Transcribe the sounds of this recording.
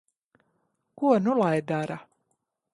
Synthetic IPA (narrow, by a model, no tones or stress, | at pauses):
kuɔnulˠajd̪aɾa